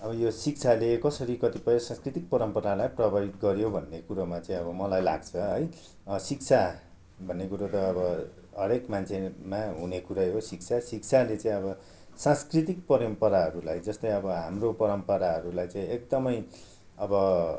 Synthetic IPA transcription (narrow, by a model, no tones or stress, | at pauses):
ʌbʌjosik̚t͡sʰalekʌsʌɾikʌt̪ipʌjʌsãnskrit̪ik̚pʌɾʌmpʌɾalajprʌbait̪ɡʌɾjobʱʌnːekuɾamat͡saĩʌbʌmʌlajla̰ɡt͡sʰʌɦʌj | sik̚t͡sʰa | bʱʌnːekuɾʌt̪ʌːbʌ | ɦʌɾekmant͡sʰemaɦunekuɾajɦosikt͡sʰasikt͡sʰalet͡sãĩʌbʌ | sãskrit̪ik̚pʌɾʌmpʌɾaɦʌɾulajd͡zʌst̪ʌj̃ʌbʌɦamropʌɾʌmpʌɾaɦʌɾulajt͡saĩek̚d̪ʌmʌj | ʌbʌ